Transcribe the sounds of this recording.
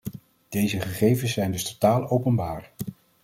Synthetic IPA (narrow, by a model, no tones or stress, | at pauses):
d̥ejzəχəχejvənsːɛjndɵstotaːlˠowpənbaːɹ